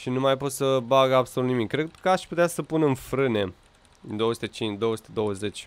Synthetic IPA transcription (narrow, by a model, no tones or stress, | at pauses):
ʃinumajpo̞t̪səbaɡəabsolut̪nimikːɾed̪kəaʃput̪easəpunɨnfɾɨne̞ | nd̪o̞oəsu̥t̪e̞t͡ʃint͡ʃd̪o̞wəsu̥t̪e̞d̪o̞wəze̞t͡ʃʲ